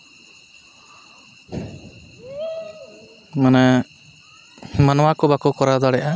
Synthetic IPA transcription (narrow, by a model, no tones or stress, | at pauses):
manɛ | manɔwakɔbakɔkɔɾad̪aɽɛʔa